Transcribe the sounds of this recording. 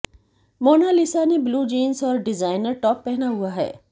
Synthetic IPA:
moːnalɪsanebluːd͡ʒiːnsɔːɾɖɪzaːɪnəɾʈɔːpːɛɦnaɦuaɦɛ̰ː

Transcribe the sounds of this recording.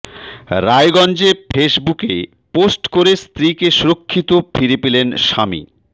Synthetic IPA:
ɾaeɡɔnd͡ʑefeʃbuke | posʈkoɾest̪ɾikeʃuɾokʰːit̪ofʰiɾepelenʃamḭ

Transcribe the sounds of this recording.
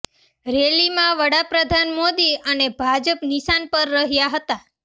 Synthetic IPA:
ɾelimãʋəɽapɾəd̪ʱanmod̪iənebʱad͡ʒəpniʃanpəɾːəɦjaɦət̪a

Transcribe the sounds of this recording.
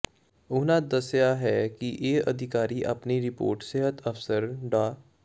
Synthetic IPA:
ʊɦnad̪ɐsjaɦɛkiʔeːɐd̪ʱɪkaːɾiʔɐpniɾɪpo̰ːɾʈseɦət̪ʰɐfsəɾɖaː

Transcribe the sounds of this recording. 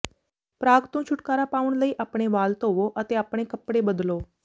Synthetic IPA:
pɾaːɡt̪ũːt͡ʃʰʊʈkaːɾapaːʋʊɳ̃ləiːʔaːpɽ̃eʋaːlt̪oːʋoʔət̪eaːpɽ̃ekəpɽebəd̪loː

